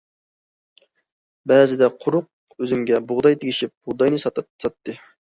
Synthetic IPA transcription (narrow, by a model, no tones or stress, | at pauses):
bɛzɪd̪ɛqʰʊɾʊq̚ | øzymɡʲɛbʊʁd̪ɑjt̪ʰɪɡʲiʃip̚b̥ʊʁd̪ɑjnɨsɑsɑt̪ʰːɨ